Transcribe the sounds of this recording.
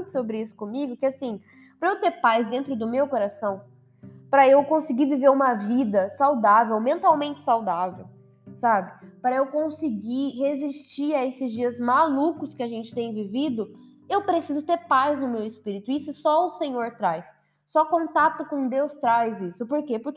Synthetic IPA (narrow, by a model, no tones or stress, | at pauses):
t̪ʊ̥sobɾɪisʊ̥kõmiɡʊkɪasĩ | pɾɐewt̪eɾpajzd̪ẽnt̪ɾʊd̪ʊmewkoɾasɐ̃w̃ | pɾɐewkõsɪɡiɾviveɾũmɐvid̪ɐsawd̪avewwmẽnt̪awmẽnt͡ʃɪ̥sawd̪avew | sabɪpɾɐewkõsiɡihezist͡ʃiaesɪzd͡ʒiɐzmalukʊskɪaʒẽnt͡ʃɪ̥t̪ẽj̃vivid̪ʊ | ewpɾesizʊt̪eɾpajznʊmewɪspiɾit̪ʊisʊsɔʊsẽɲoɾt̪ɾajsː | ɔkõnt̪at̪ʊkõd̪ewst̪ɾajzisʊpoɾkepoɾk